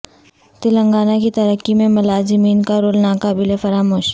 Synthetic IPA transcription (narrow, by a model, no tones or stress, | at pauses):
t̪ɪlə̃ŋɡaːnakit̪ɐɾəkːimẽmɐlaːzɪmiːnkaɾoːlnakaːbɪlefɐɾaːmoːʃ